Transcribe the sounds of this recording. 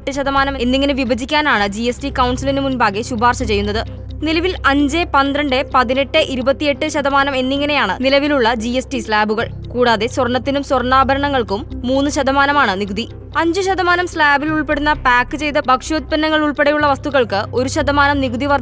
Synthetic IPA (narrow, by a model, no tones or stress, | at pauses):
ʈːɨɕɐd̪ɐmaːnɐmenːiŋːɐneʋibɐd͡ʑikʲːaːnaːɳɨd͡ʑiesʈikɐwɳsilinɨmunbaːɡeɕubaːrɕɐt͡ɕe̞jːunːɐðɨ | nilɐʋilɐɲd͡ʑepɐnd̪rɐɳɖepɐðine̞ʈːɨʔiɾubɐt̪ːije̞ʈːɨɕɐd̪ɐmaːnɐme̞nːiŋːɐne̞jaːɳɨ̰nilɐʋiluɭːɐd͡ʑiesʈislaːbuɣɐɭ | kuːɽaːðe̞swɐrɳːɐt̪ːinumswɐrɳaːbʱɐɾɐɳɐŋːɐɭkumːuːnːɨɕɐd̪ɐmaːnɐmaːɳɨniɡud̪i | ɐɲd͡ʑɨɕɐd̪ɐmaːnɐmslaːbiluɭpe̞ɽunːɐpaːkːɨt͡ɕe̞jt̪ɐbʱɐkʂjoːt̪̚pɐnːɐŋːɐɭuɭpeɽɐjuɭːɐʋɐst̪uɣɐɭkɨo̞ɾuɕɐd̪ɐmaːnɐmniɡud̪iʋɐr